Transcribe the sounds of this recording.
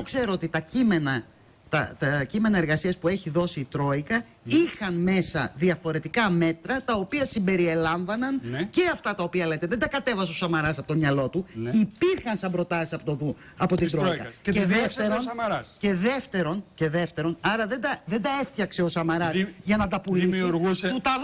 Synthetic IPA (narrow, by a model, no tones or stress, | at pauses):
okse̞ɾoot̪it̪ɐcimenɐ | t̪ɐt̪ɐcime̞nɐeɾɣɐsiɐspue̞çiðo̞siːt̪ɾo̞ikɐ | ixɐnme̞sɐðiɐfo̞ɾe̞t̪ikɐme̞t̪ɾɐt̪ɐo̞piɐsimbe̞ɾie̞lɐɱvɐnɐnce̞ɐft̪ɐt̪ɐo̞piɐlejt̪eðed̪ɐkɐt̪e̞vɐseosɐmɐɾɐsɐpot̪omɲɐlo̞t̪uipiɾxɐnsɐmbɾo̞t̪ɐsisɐpot̪u | ɐpo̞t̪id̪ɾoikɐɐeðefeɾonɐɾɐsce̞ðe̞ft̪e̞ɾo̞nceðe̞ft̪e̞ɾo̞nɐɾɐðed̪ɐðe̞nd̪ɐeft̪çɐkse̞o̞sɐmɐɾɐsʝɐnɐd̪ɐpulisoɣsut̪ɐ